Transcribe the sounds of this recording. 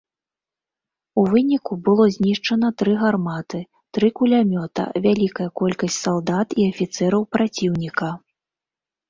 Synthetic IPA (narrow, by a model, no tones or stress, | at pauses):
uvɨnʲikubɨlˠɔzʲnʲiʂt͡ʂɐn̪ɐt̪ɾɨɣarmat̪ɨ | t̪ɾɨkulʲamʲɔt̪ɐ̰vʲalʲikɐjɐkɔlʲkɐsʲtʲt͡sʲsalˠd̪at̪iɐfʲit̪sɛɾɐwpɾat͡sʲiwnʲikɐ